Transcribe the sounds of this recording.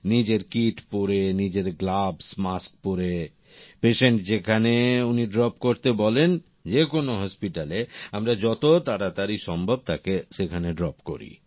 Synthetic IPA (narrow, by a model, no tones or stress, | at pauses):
nid͡ʑeɾkiʈpoɾenid͡ʑeɾɡlabsmask̚poɾe | peʃeɳʈd͡ʑekʰaneuniɖɾɔp̚koɾt̪ebɔlen | d͡ʑekonoɦɔspiʈaleamɾad͡ʑɔt̪ot̪aɾat̪aɾiʃɔmbʱob̚t̪akeʃekʰaneɖɾɔpko̰ɾḭ